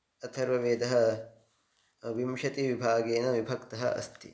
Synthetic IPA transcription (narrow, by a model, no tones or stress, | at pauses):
ɐt̪ʰɐɾʋɐʋeːd̪ɐɦɐ | ʋimʃɐt̪iʋibʱaːɡeːnɐʋibʱɐkt̪ɐɦɐ̰ʔɐ̰st̪ḭ